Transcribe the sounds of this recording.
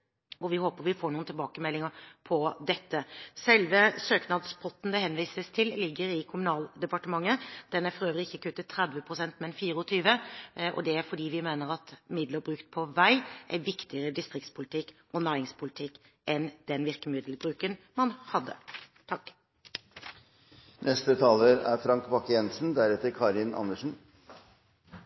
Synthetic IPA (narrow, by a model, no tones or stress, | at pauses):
ɔʋɪhoːpəɾʋɪfoːɾɳuːnt̪ʰɪlbɑːkəmɛlːɪŋəɾpʰɔd̪ɛt̪ːəsɛlʋəsøːknɑd̪spʰɔt̪ːn̩d̪ɛhɛnʋiːsəst̪ʰɪllɪɡːəɾɪkʰʊmʉnɑːld̪ɛpɑʈəmɑŋːəd̪̥ɛnæɾfɔɾøːʋəɾɪɪçːəkʉt̪ːət̪ʰːɾɛd̪ʋəpʰɾʊsɛnt̪mɛnfiːɾəɔt̪ʰyːʋəʔɔ̰d̪ɛæɾfɔɖiːʋɪmeːnəɾɑt̪mɪd̪ləɾbɾʉːkt̪̚pʰɔʋæɪʔæ̰ʋɪkt̪ɪəʁəd̪ɪst̪ʁɪk̚t̪spʰʊlɪt̪ʰɪkːʔɔnɑːɪŋspʰʊlɪt̪ʰɪkː | ʔɛnd̪̥ɛnʋɪɾkəmɪd̪lbɾʉːkənmɑnhɑd̪ːə̰t̪ʰɑkː | nɛst̪ət̪ʰɑːləɾæ̰ɾfɾɑŋkbɑkːjɛnsn̩d̪æɾɛt̪əɾkʰɑɾɪnʔɑ̰nːəʂn̩